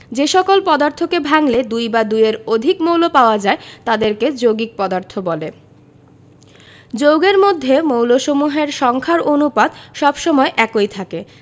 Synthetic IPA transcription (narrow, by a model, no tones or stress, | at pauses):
d͡ʑeʃɔkolpɔd̪aɾt̪ʰokebʱaŋled̪ujbad̪ujeɾod̪ʱikmowlopaoad͡ʑaet̪ad̪eɾked͡ʑoɡik̚pɔd̪aɾt̪ʰobɔle | d͡ʑowɡeɾmod̪ʱːemowloʃomuɦeɾʃɔŋkʰaɾonupad̪ʃɔbʃɔmɔeʔɛkojt̪ʰake